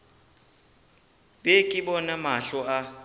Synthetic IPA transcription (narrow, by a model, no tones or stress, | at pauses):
ɓekʼiɓɔnamaɬɔa